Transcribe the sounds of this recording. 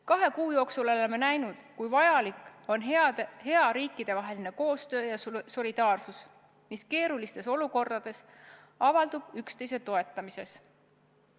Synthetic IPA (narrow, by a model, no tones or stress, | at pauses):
kɑɦe̞kuːjo̞ːksulo̞lemːe̞næjnud̪̥kujvɑjɑlikˑo̞nɦe̞ɑɾiːkːˑid̪̥e̞vɑɦe̞line̞ko̞ːst̪ø̞ːjɑso̞lʲid̪̥ɑːrsus | miske̞ːɾulist̪e̞so̞luko̞rd̪̥ɑd̪̥e̞s | ɑvɑld̪̥ub̥ykst̪e̞jse̞t̪o̞e̞t̪ˑːɑmise̞s